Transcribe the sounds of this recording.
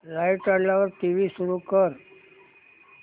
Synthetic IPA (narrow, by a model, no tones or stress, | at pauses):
ɾajʈaɽlaʋəɾʈiʋisuɾukəɾ